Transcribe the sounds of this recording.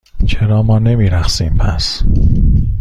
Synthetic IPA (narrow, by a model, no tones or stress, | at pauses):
t͡ʃʰeɾɒːmɒːne̞miːɾæxsiːmpʰæ̰s